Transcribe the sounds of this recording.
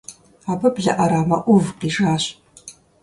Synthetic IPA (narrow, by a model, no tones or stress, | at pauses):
aːbɐbɮɐ̰ʔɐɾaːmɐʔʷʊvqiːʐaːɕ